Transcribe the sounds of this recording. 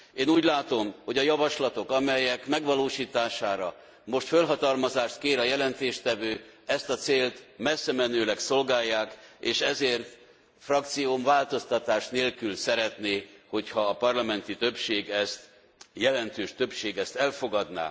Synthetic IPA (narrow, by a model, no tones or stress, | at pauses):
eːnuːɟlaːt̪o̞mho̞ɟɒjɒvɒʃlɒt̪o̞kɒmɛjɛkmɛɡʋɒloːʃiːt̪aːʃaːɾɒ | mo̞ʃt̪følɦɒt̪ɒlmɒzaːʃt̪keːɾɒjɛlɛnt̪eːʃt̪ɛvøːɛst̪ɒt̪seːlt̪mɛsːɛmɛnøːlɛkso̞lɡaːjːaːkeːʃɛzeːrt̪ | frɒk̚t̪sijomvaːlt̪o̞st̪ɒt̪aːʃneːlkylsɛɾɛt̪neːho̞chɒːpɒrlɒmɛnt̪it̪ø̞pʃeːɡɛst̪ | jɛlɛnt̪øːʃt̪øpʃeːɡɛst̪ɛlfo̞ɡɒd̪na̰ː